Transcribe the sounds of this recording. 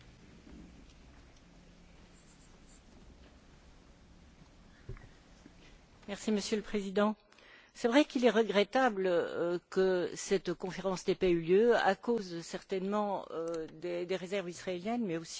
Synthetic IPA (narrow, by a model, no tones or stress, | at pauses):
mɛʁsiməsjøləpχezid̪ɑ̃ | sɛvʁɛkilɛʁəɡʁɛt̪abləkəsɛt̪kɔ̃feʁɑ̃snɛpayljøa̰kozsɛʁt̪ɛnmɑ̃d̪ed̪eʁezɛʁvisχaeljɛnmɛosi̥